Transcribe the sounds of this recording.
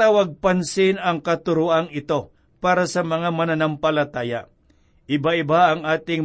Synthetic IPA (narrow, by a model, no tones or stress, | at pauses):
aːwɐɡ̚pɐnsɪnɐŋkɐt̪ʊɾuʔɐŋɪt̪o̞ | paːɾasɐmɐŋamɐnanɐmpɐlɐt̪aːja | ʔɪbaʔɪbaɐŋʔaːt̪ɪŋ